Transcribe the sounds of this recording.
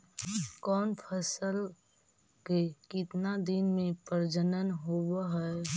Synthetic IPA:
kɔːnpʰəsəl | kekɪt̪nad̪ɪnmẽpəɾd͡ʒənənɦobaɦɛ

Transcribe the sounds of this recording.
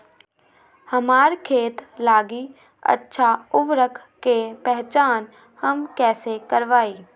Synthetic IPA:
hɐmaːɾkʰeːt̪laːɡi | ɐ̰tːʃʰaʊʋɾəkʰ | kepɛɦt͡ʃaːn | hɐmkɛːsekɐɾʋaːiː

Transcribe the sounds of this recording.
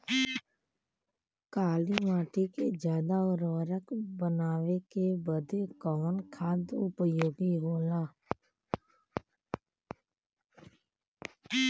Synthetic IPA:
kaːliʋaːʈiked͡ʒjaːd̪aʊɾʋəɾəkbənaːʋekebəd̪ʱekɔːnkʰaːd̪ʊpjoːɡiɦoːlaː

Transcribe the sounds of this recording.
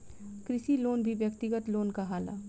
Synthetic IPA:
kɾɪʃiloːnbʱiʋjəkt̪ɪɡət̪loːnkaɦaːla̰ː

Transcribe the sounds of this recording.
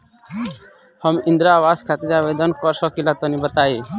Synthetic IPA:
həmĩnd̪ɾaːwaskʰat̪id͡ʒabed̪ənkɔɾsɔkilat̪ɔnibət̪ai

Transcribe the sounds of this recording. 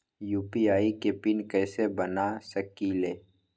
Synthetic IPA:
juːpiaːikepinkɛːsebənasəkileː

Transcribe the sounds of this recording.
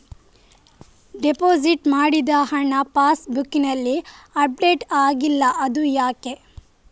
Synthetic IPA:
ɖepoːd͡ʒiʈmaːɽid̪ɐɦɐnɐpaːsbukːinɐlːiɐp̚ɖeʈaːɡilːɐʔɐd̪ujaːke

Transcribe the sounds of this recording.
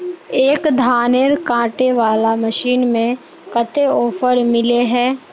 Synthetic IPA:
eːkd̪ʱaːneːɾkãːʈeʋaːlamɐʃiːnmẽ | kɐt̪eɔːpʰəɾmɪleɦɛː

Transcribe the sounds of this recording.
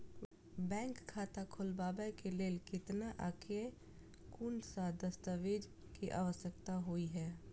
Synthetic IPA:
bɛ̃ːŋkʰːaːt̪akʰʊlbaːbɛkeleːlkɪt̪naʔakʰe | kunsad̪əst̪əʋeːd͡ʒ | kiʔa̰ːʋəsjəkt̪aɦoiɦɛː

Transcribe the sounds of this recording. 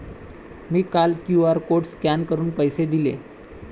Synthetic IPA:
miːkaltjuaɾkoʈskankəɾuːnpəjsed̪ilḛ

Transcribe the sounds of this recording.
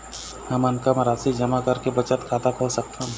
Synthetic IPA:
həmənkamɾaːsid͡ʒɐmakɐɾkebət͡ʃət̪kʰaːt̪akʰoːlsək̚t̪eɦ

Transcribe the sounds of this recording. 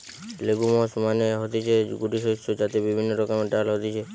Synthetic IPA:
leɡumɔsmaneɦot̪it͡ʃʰeɡuʈisot͡ʃod͡ʒat̪ebibʱinːəɾɔkameʈalɦɔt̪it͡ʃʰe

